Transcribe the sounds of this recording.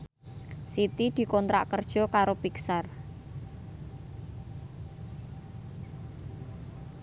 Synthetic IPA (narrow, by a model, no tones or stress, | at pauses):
sit̪id̪̥i̤kɔnt̪ɾa̰ʔkərd̥ʒ̥ɔ̤kaɾopiksar